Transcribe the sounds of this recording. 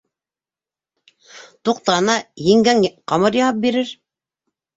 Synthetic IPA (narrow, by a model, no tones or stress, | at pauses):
t̪uq̚t̪ɑnɑjĭŋɡæŋqɑmɤɾjɑɑp̚biɾɘɾ